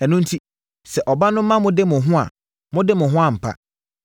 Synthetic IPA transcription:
ɛ˨nũ˦n̩˦tʰi˦ | sɛ˨ʔɔ˨ba˦nʊ̃˦m̩ː˦ã˦mʊ̃˦dɪ˦mʊ̃˨ɦʊ̃˦a̰˨ | mʊ̃˦dɪ˦mʊ̃˨ɦʊ̃˦a˨m̩˨pʰa̰˦

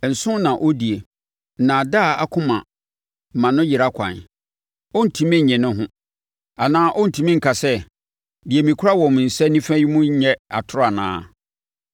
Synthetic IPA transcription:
n̩˨sʊ̃˦nã˨ʔo˦di˨e˨ | nã˨da˦˨a̰˦kʰʊ̃˦mã̰˨ | m̩˨mã˨nʊ̃˦jɪ˨ɾa˦kʷʰã̰˨n | ɔ˦n̩˨tʰĩ˨mɛ̃˦ɲ̩˨ɲɛ̃˨nʊ̃˦ɦʊ̃˦ | a˨nãː˦ʔɔ˦n̩˨tʰĩ˨mĩ˦ŋ̩˨kʰa˨sɛ˦ | di˨e˨mĩ˨kʷʰʊ˦ɾa˦wɔ̃˨m˨n̩˨sɛ˦nĩ˦fæ̃˦ji˦mʊ̃˦ɲ̩˦ɲɛ̃˦a̰˨tʰʊ˦ɾa˨nã̰ː˦

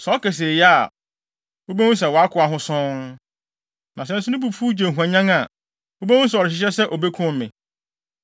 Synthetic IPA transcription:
sɔ˦kɛ˨s̬e˨jɛ˦a˦˨ | o˦be˦wʊ̃˦ns̬ɛ˨wɔ˨a˦kʰʊ˨˦a˨ɦʊ̃˦sʊ̃˦ŋ | nã˨s̬ɛ̃˦n˦sʊ˦ʊ̃˦bu˨fu˦d͡ʑẽ˨ɦu˨ã˨ɲã˦ŋa˨ | wo˦be˦wʊ̃˦s̬ɛ˨ɔ˨ɾɪ˨ɕɪ˨ɕ̬ɛ˦sɛ˦ʔo˨be˦kʰʊ̃˦m̩˦mɪ̰̃˨

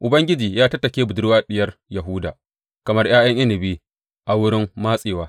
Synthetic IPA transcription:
ʔʊ˨bɐ˦ŋɡʲɪ˦d͡ʒiː˨jaː˦tɐ˦tːɐ˨kʲeː˦bʊ˨dʊ˦ɽwaː˦ɗɪ˦jɐ˦rjɐ˨ɦʊː˦daː˨ | kɐ˨mɐ˦rj̰aː˦j̰ɐ˦ŋʔɪ˦nɪ˨biː˦ | ʔa˨wʊ˦ɽɪ˦mːaː˦sʼeː˨waː˦

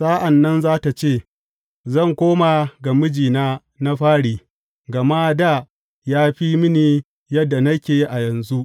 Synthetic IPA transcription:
saː˦ʔa˨nːɐ˦nzaː˦ta˨t͡ʃeː˦˨ | zɐ˦˨ŋkʷoː˦ma˨ɡɐ˨mɪ˦d͡ʒiː˨naː˦ | na˦ɸaː˦ɽiː˨ | ɡɐ˨ma˦da˦˨ | jaː˦ɸi˦mɪ˦niː˨ | jɐ˦dːa˨nɐ˦kʲeː˨i˦ʔa˨jɐ˨nzu˦ʔ

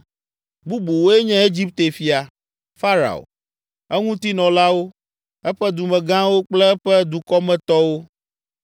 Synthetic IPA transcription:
bu˦bu˨wo˦e˦ɲɛ̃˦e˦d͡ʑi˦p̚t̪e˨fi˨a˨ | fa˦ɾa̰˨o̰˨ | ɛ˦ŋũ˦t̪i˦nɔ̃˨la˦wo˦ | ɛ˦ɸɛ˦d̪u˨mɛ̃˨ɡã˦wo˦k͡plɛ˦ɸɛ˦d̪u˨kɔ˦mɛ̃˦t̪ɔ˦wo˦

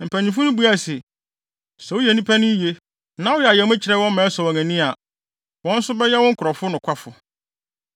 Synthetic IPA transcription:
m̩˨pʰæ˨ɲĩ˨fʊ̃˦nʊ̃˦bu˦a˨sɛ˨ | sɛ˨wʊ˦jɛ˨nĩ˦pʰæ˦nʊ̃˦je˦ | nã˨˦wɔ˦jɛ˨a˨jɛ˨m˦ɛ̃˦t͡ɕʰɪ˨ɾɛ˦˨wɔ̃˦mɛ̃˨˦sɔ˨wɔ̃˨ŋæ̃˨nĩ˦a˨ | wɔ̃˦n̩˦sʊ˦bɛ˦jɛ˦wɔ̃˦ŋ̩˦kʰʊ˨ɾɔ˨fʊ˦nʊ̃˨kʷʰa˦fʊ˨

